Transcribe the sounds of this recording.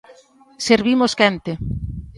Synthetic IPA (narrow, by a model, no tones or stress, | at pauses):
seɾβimoskɛnt̪e